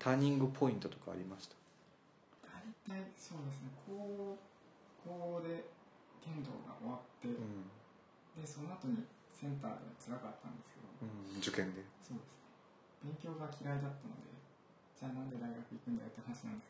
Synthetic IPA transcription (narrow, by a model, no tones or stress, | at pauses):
t̪ʰaɲ̟ĩŋɡɯ̟pʰo̞ĩnt̪o̞t̪o̞̥ka̰ːɾʲimaɕi̥t̪ḁ | d̪̥ait̪aiso̞ːd̪e̞s̬ɨne̞kʰoː | kʰoːd̪e̞ | t̪ẽ̞nd̪o̞̰ːɡa̰ʔo̰βat̪ːe̞ɯ̃ | d̪e̞so̞no̞at̪o̞ɲ̟i | sẽ̞nt̪a̰ːd̪e̞̰βat͡sɨɾakat̪ːã̰nd̪e̞sɨ̥ke̞d̪o̞̰ɯ̃d͡ʑɨkẽ̞nd̪e̞so̞ːd̪e̞sɨ̥ne̞ | b̥ẽ̞ŋkʲo̞ːɡakʲiɾaid̪at̪ːano̞̰d̪e̞̰ | d͡ʑaːnãnd̪e̞d̪aiɡakɯ̟ikɯ̟̃nd̪a̰jo̞t̪ːehanaɕinã̰nd̪e̞sk